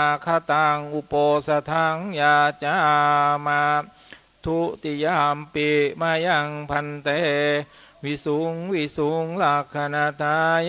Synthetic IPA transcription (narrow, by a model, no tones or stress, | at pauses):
kʰat̪aŋupɔsat̪ʰaŋjat͡ʃama | t̪ʰuʔt̪ijampimajaŋpʰant̪ɛ | wisuŋwisuŋlaɡ̥anad̪̥aj